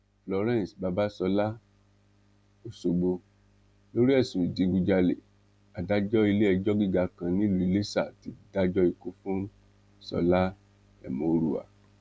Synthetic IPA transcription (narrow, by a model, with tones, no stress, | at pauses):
flɔ˧ɾɛ̃˦˨sba˧ba˦sɔ˧la˦ | o˨so˧ɡ͡bo˧ | lo˦ɾi˦ɛ˦˨sũ˨i˨dĩ˨˧ɡu˧d͡ʒa˧lḛ˨ | a˨da˦d͡ʒɔ˦i˧le˦ɛ˧d͡ʒɔ˦ɡi˦ɡa˧kã˧nĩ˦˨lu˨i˨le˦sa˦˨ti˧da˦d͡ʒɔ˦i˧ko˦fũ˦n˦ | sɔ̰˧la˦ | ɛ̰˨mõ˨˦ɾu˨a̰˨